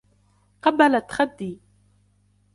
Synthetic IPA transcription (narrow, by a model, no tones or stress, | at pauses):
qɑbːalat̪ːxad̪ːiː